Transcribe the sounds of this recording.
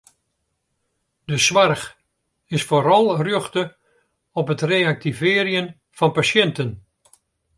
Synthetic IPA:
dəsʋarx | ɪsfoːɾɑlˠrjøχtə | ɔpɦətreːak̚tivɪːəɾjən | v̥ɑnpasjɛntən

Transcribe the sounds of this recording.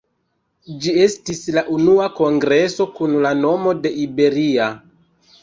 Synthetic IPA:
d͡ʒie̞stislaʔunuako̞ŋɡɾe̞so̞kunlano̞mo̞de̞ʔibe̞ɾia

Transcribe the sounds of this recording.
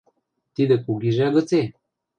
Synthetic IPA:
t̪id̪əkuɡiʒaɡət͡se

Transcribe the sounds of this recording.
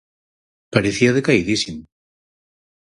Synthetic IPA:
paɾeθiaðekaiðisimo

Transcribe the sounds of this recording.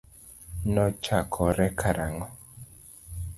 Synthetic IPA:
nɔt͡ʃakʰɔɾɛkʰaɾaŋɡɔ

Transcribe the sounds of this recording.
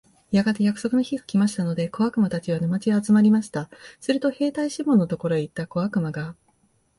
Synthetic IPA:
jaɡat̪ejakɯ̥so̞kɯ̟no̞çiɡakʲimaɕi̥t̪ano̞d̪e̞ko̞akɯ̟mat̪at͡ɕiβanɯmat͡ɕiaːt͡sɨmaɾʲimaɕi̥t̪asɨɾɯ̟t̪o̞he̞ːt̪aiɕimõ̞nːot̪o̞ko̞ɾo̞eit̪ːako̞βakɯ̟maɡa

